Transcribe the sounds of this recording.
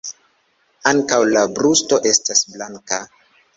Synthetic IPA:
aŋkawlabɾusto̞ʔe̞stasblaŋka

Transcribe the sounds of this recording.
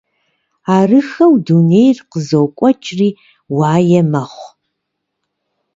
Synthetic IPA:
aːrɨxɐwdunejrqəzowkʷʼɔt͡ʃʼriː | waːjɛmɐχʷ

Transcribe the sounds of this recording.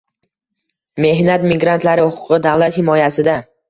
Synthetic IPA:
me̞hnat̪mɪɡɾant̪laɾɪhʊqʰʊ̥qɨd̪avlat̪hɪmɒjasɪd̪a

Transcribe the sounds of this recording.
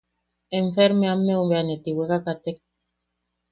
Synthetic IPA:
eɱfeɾmeamːeumbeanet̪iwekakat̪ek̚

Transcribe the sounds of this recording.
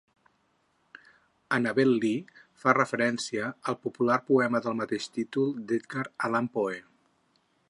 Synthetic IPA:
ənəβɛlːifarəfəɾɛnsiəːlˠpupularpuɛməðəlˠmət̪eʃt̪it̪ulˠd̪et̪ɡaɾəlampoe

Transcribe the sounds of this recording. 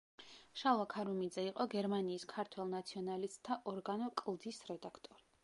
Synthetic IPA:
ʃalakʰaɾumid̪zɛiqʼɔɡɛɾmaniːskʰaɾt̪ʰwɛlˠnat̪sʰiɔnalist̪ʼt̪ʰːaʔɔɾɡanɔkʼlˠd̪isɾɛd̪akʰt̪ʼɔɾi

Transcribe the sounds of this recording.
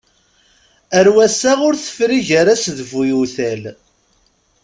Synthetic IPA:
əɾwæsæʁʊɾθə̥fɾiʝæɾæsðvujuθæl

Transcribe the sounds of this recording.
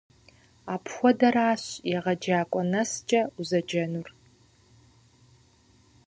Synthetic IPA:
aːpʰxʷɔdɐɾaːɕjɛʁɐd͡ʒaːkʷʼɔnɐst͡ʃʼɐuzɐd͡ʒɐnur

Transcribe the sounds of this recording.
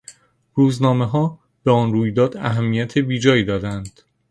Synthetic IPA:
ruːznɒːme̞ɦɒː | beɒːnruːjd̪ɒːd̪̥æ̰ɦæmːijæt̪ʰebiːd͡ʒɒːjiːd̪ɒːd̪ænd̪̥

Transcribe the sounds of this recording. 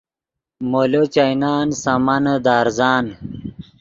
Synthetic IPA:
molot͡ɕajnaːnsamɐnəd̪aːɾzaːn

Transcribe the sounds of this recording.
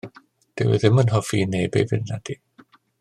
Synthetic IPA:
d̥ɛwɪ̰ðɪmənɦɔfiːnejbejvɪ̰nːad̥i

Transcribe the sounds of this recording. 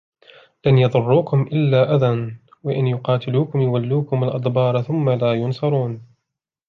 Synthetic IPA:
lanjɑðˤʊrˤːuːkʊmʔɪlːaːʔaðan | wɪʔɪnjʊqɑːt̪ɪluːkʊmjʊwalːuːkʊmalʔɑd̪ˤbɑːɾˤθʊmːalaːjʊnsɑɾˤuːn

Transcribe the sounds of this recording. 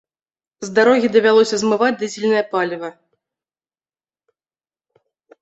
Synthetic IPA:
zd̪aɾɔɣʲid̪ɐvʲalˠɔsʲɐzmɨvad͡zʲd̪ɨd͡zʲilʲnɐjɐpalʲvɐ

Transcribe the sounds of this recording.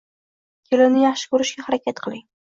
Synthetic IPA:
kʲʰelɪnɪjɑχʃɪ̥kɵɾɪʃɡʲahaɾakʲʰat̪qʰɨlˠɪŋ

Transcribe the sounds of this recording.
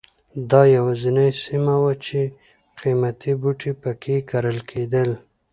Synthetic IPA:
d̪ɑjawazinajsimawat͡ʃe | qimat̪ʰibuʈipəkʰekaɾəlkʰed̪əl

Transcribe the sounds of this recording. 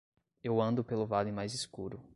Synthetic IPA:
ewɐ̃nd̪ʊpelʊvalɪmajzɪskuɾʊ

